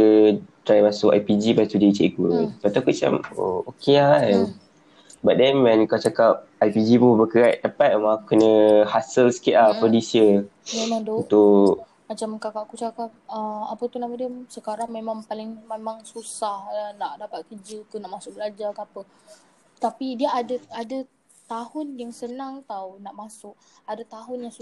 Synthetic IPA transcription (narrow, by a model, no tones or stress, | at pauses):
ədɾajmasʊka̰jpid͡ʒipast̪udeit͡ʃaʔkupaʔt̪uakut͡ʃa̰mo̰okean | baʔ̚dɛmɛnkat͡ʃakap̚ajpid͡ʒipubəkəɾaʔ̚dapat̪̚omaakukənə̃hasəlsə̥kɪt̪̚lahpədisiəmemaŋdunt̪ʊ | ad͡ʒamkakaʔkut͡ʃakap̚əapət̪unaʔmadiəsəkaɾaŋmemaŋpalɪŋmemaŋsusahnaʔdapat̪̚kəd͡ʒikunaʔmasʊk̚bəlad͡ʒakəapə | t̪apidiəadəada | t̪ahʊnjaŋsənaŋt̪awnaʔmasʊʔadat̪aɦʊnjaŋsu